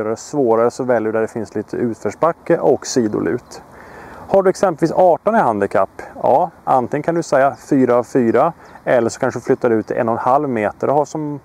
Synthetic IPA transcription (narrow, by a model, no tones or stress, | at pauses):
ɾaɾsvoːɾaɾəsɔvɛljəɖd̪æɖɛfɪnsliːt̪ʰə̰ʉ̟ːt̪fœʂbakːəʔɔksiːd̪ʊ̰lʉ̟̰ːt̪ | haɖɵɛksɛmpəlviːsɑːʈɔnɪhand̪ɪkʰa̰pːjɑ̰ːʔa̰nt̪ʰɪŋənkʰand̪ɵsɛjːafyːɾaːvfyːɾa | ɛlːəʂɔ̥kʰanʂəd̪ɵflʏt̪ʰːad̪ɛʉ̟ːt̪ʰːɪ̰ʔɛ̰nːɔnhalvmeːt̪əɖɔɦhaʂɔm